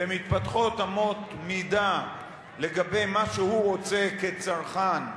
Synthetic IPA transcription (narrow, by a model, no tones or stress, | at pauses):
emit̪pat̪χot̪amo̞t̪mid̪a | leɡabe̞jmaʃehuʁo̞t͡seket͡saʁχan